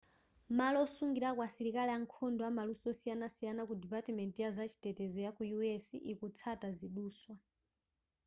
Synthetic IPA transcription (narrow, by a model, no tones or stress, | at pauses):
malɔːsuŋɡiɾakwasiɾikalɛaŋkʰɔndɔamalusɔsijanasijanakudɛpatɛmɛntijazat͡ʃʰi̥tɛtɛzɔjakujuɛsḭʔikut͡sʰataziɗuːswa